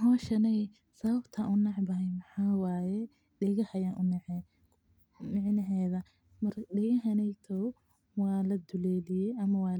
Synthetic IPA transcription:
ɦɔːʃɐnɛj | sɐβɐbt̪ʰɐʔʊnɑʕbɐɦɛjmɑħaːwaːjɛ | ɖɛɣɐhɐjaːnʔʊnɐʕɛː | mɪʕnɐɦɛːðɐ | mɐrɗɛɣɐɦɐnɛjt̪ʰɔw | wɑːlɐd̪ʊlɛːlɪjɛjʔɐmɐwɑː

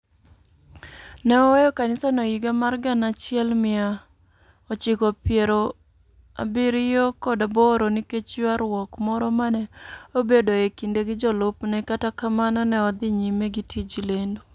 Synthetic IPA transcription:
nɛɔwɛjɔkanɪsanoiɡamarɡanat͡ʃɪɛlmɪa | ɔt͡ʃɪkɔpɪeɾo | a̰biɾɪjɔkɔdabɔɾoniket͡ʃjuaɾwɔkmɔɾɔmanɛobedoekindeɡɪd͡ʒɔlʊpnɛkatakamanɔnɛɔd̪ɪɲimeɡitʰid͡ʒilendo

